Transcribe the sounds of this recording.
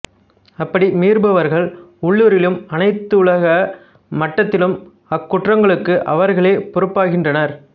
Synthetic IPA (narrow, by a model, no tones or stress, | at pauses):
ɐpːɐɽimiːɾbɐʋɐɾɣɐɭʊɭːuːɾɪlɯmɐnɐɪt̪ːɯʊɭɐɣɐ | mɐʈːɐt̪ːɪlɯm | ɐkːʊʈrɐŋɡɐɭɯkːɯʔɐ̰ʋɐɾɣɐɭeːpʊɾɯpːaːɣɪndrɐnɐɾ